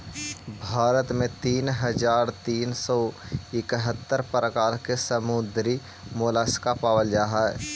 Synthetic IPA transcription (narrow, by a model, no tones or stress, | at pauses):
bʱaːɾət̪mẽt̪iːnɦəd͡ʒaːɾt̪iːnsɔːɪkɦət̪ːəɾpɾəkaːɾkesəmʊd̪ɾi | moːlaːskapaːwəld͡ʒaːɦɛ